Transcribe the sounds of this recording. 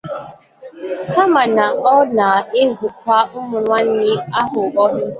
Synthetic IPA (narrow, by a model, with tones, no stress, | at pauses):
ka˦ma˨na˨ɔ˦na˨e˦zi˨k̚ʷa˦mʊ˦mʊ˨nwa˦n̩˦ɲɪ˦a˦ɦʊ˨ɔ˦ɦʊ˦